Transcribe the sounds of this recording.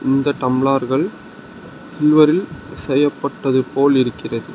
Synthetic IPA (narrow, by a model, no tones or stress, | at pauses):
ɪnd̪ɐʈ̪ɐmɪɭaːɾɣɐɭ | sɪlʋɐɾɪlsɛjːɐpːɐʈːɐðɯpoːlɪɾɯkːɪrɐðɯ